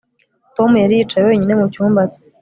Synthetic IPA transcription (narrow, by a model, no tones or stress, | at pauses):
to̞mujaɾiːt͡ʃajweɲine̞mucuːmbat͡se̥